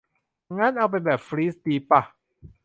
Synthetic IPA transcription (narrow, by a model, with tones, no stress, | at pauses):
ŋaː˦˥˩nʔa˧wp̬a˧nbɛː˨˩p̚fɾiː˦˥sd̪iː˧pa˧˩